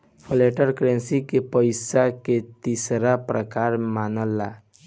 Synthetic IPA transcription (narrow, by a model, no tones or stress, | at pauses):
pʰəleʈəɾkɾẽnsikepəɪsaket̪isɾapɾəkaːɾmaːnəlːa